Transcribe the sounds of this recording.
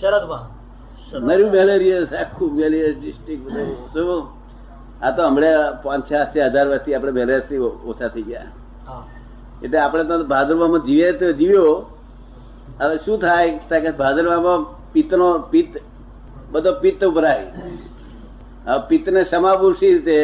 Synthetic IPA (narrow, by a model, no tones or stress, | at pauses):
nəɾjũmeleɾiəsakʰːumelijəsɖɪsʈɾik̚bəd̪ʱosũ | at̪oɦəmɽepãt͡ʃʰat͡ʃeɦəd͡ʒaɾʋək̚t̪iapɽ̃emeleɾjəsio̰t͡ʃʰat̪ʰəiɡja̰ | eʈleapɽ̃et̪obʱad͡ʒəɾʋamãd͡ʒiʋet̪d͡ʒiʋjo | aʃũt̪ʰajt̪akebʱad͡ʒəɾʋamã | pit̪nopit̪ | bəd̪ʱopit̪upɾaj | apit̪neʃəmabuɾʃiɾit̪e